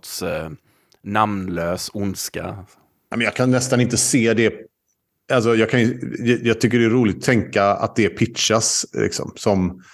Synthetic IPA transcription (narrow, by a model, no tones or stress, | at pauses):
t̪s | namnløːsʊnska̰ | na̰mɛnjɑːɡkʰanːɛst̪anɪnt̪əseːd̪ɛ | als̬ɔjɑːɡkʰandɛjɑːɡ̚t̪ʰʏk̬ːəɖɛːɾuːlɪt̪ɔt̪ʰːɛŋkaa̰t̪̚d̪ɛːɾpʰɪtʂaslʔɪ̰ksɔ̰msɔm